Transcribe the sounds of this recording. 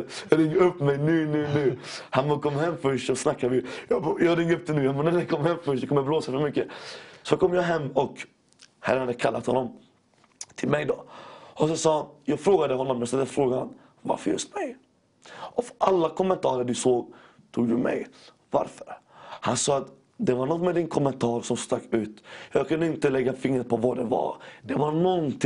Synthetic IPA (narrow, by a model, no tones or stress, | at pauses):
jɾɪŋːɾɵpːmɛjnʉ̟ːnʉ̟ːnʉːhanbɔkʰɔmːɦɛmːfœʂtsɔsnakːad̪ɪjjɑjɑːɾɪŋːɾɵp̚d̪ɛnʉːjanbnædɛkʰɔmːhɛmːfœʂ̬ɑkɔmːəbloːsafœɾmʏkːəsɔkʰɔmːjɑːɦɛmːɔk | hɛ̰ɾːənhad̪əkʰalːa̰t̪hɔ̰nːɔm | t̪ʰɪlmɛjd̪ɔʔɔsɔsɑːjɑːɡfɾoːɡad̪əhɔnːɔmːɛnst̪ɛlːəfɾoːɡaan | va̰ɾfəɾjɵ̰st̪mɛj | ʔɔfɾʔalːakʰɔmːɛnt̪ʰɑːɾəɖɵsoːɡ | t̪ʰuːɡd̪ɵmɛ̰j | va̰ɾfəɾ | hansɑːat̪ | d̪ɛvaɾɳɔt̪mɛd̪ɪnkʰɔmːɛnt̪ʰɑːɾsɔmst̪aɡʉ̟ːt̪jɑːɡkʰɵnd̪əɪnt̪əlɛɡːafɪŋɾət̪̚pʰɔvaɖ̪ɛvɑ̰d̪ɛvaɾnɔnt̪ʰɪ